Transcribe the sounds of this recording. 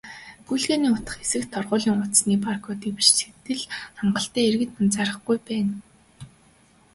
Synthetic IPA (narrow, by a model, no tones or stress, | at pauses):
ɡujɮɣeːniːʊt̪ə̥̆χesɘ̆kt̪ʰːɔrʁʊːɮiːŋʊt̪sniːparkʰɔːt̪iwɘ̆t͡ɕse̥t̪ɘ̆ɮaɴɢə̆ɬt̪æːerɣɘ̆t̪mənt͡saɾə̆χɡujpæːn